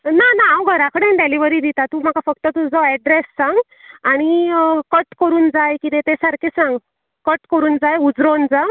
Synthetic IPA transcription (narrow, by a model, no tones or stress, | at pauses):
nanaawɡʱəɾakəɽenɖeliʋəɾid̪it̪at̪uːm̤akafək̚t̪ət̪ud͡zɔɛɖɾesːãŋɡ | aɽ̃ikəʈkəɾuːnd͡zajkit̪et̪esaɾkesãŋɡ | kəʈkəɾuːnd͡zajud͡zɾond͡za